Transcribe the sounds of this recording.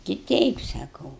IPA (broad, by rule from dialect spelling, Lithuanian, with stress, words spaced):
tʲɪ ˈtʲɛɪp sɐˈkɐʊ